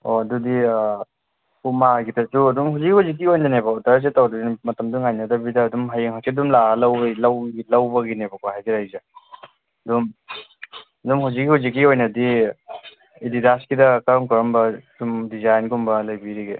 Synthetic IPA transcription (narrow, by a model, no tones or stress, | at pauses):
o̰ɐdudi | umaɡitʰɐsuɐdumhawzikːihazik̬ːiojnanebaɔdaɾs̬etawdudimɐtɐmduŋajnɐdɐbidɐːdumɦajeŋɦasidumlalɐwlɐwɡilɐwbɐɡinebɐkahajzeɾajze | ɐdum | ɐdumhawzik̬̚ːihawzik̬ːiojnɐdi | ididaskidɐkɐɾɔŋkɔɾɐmbɐdumdizajnkumbɐlajbiɾiɡe